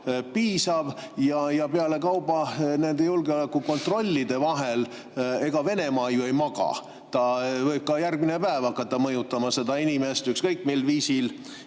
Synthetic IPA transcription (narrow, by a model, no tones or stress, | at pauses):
piːsɑv | jɑjɑpeɑle̞kɑwbɑne̞nd̪e̞julɡeole̞kːuko̞nt̪ro̞lʲːid̪e̞vɑɦel | e̞ɡ̥ɑve̞ne̞mɑːjue̞jmɑɡ̥ɑ̰ | t̪ɑvɤjb̚kɑjærɡ̥mine̞pæevɑkˑːɑt̪ːɑmɤjut̪ːˑɑmɑse̞d̪̥ɑinime̞st̪ykskɤjkˑmelviːsil